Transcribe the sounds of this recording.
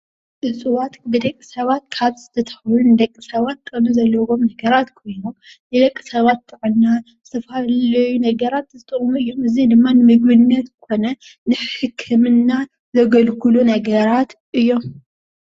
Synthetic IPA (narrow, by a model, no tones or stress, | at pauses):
ʔɨsʼɨwat̪bɨd̪ɐkʼːisɐβat̪̚kʰaβzɨt̪ʰɐt̪ʰɐ̥xlunɨd̪ɐkʼːisɐβat̪̚ːkʼɐnuzɐlːɐwo̞mnɐɡɐɾat̪kʰo̞jnom | nɨd̪ɐkʼːi̥sɐβat̪t̪ʰːɨʕɨnːazɨt̪ʰɐfhallɐjunɐɡɐɾat̪zɨt̪ʼɨχʼmuɨjːomɨzid̪ɨmːanɨmɨɡbɨnɨnːɐt̪kʰo̞nɐ | nɨħɨkʰːɨmɨnːa | zɐɡɐlkʰulunɐɡɐɾat̪ | ʔɨjːo̞m